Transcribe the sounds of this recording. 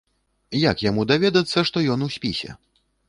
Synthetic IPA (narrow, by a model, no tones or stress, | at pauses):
jakjamud̪avʲɛd̪ɐt̪sːɐʂt̪ɔjɔnusʲpʲisʲɛ̰